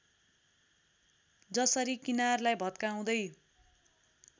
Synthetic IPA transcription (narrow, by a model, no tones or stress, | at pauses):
d͡zʌsʌɾikinarlajbʱʌt̪kaw̃d̪ʌj